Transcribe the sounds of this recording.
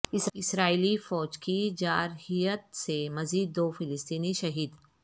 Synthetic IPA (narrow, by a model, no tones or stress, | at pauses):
ɪsɪsɾaːiːlifɔːd͡ʒkid͡ʒaːɾhijət̪̚semɐziːd̪̚ːoːfɪlɪst̪iːniʃɐɦiːd̪